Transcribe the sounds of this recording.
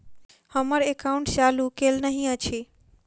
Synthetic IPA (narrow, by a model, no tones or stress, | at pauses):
həməɾekaʊ̃ɳʈt͡ʃaːlukelnəɦĩət͡ɕʰe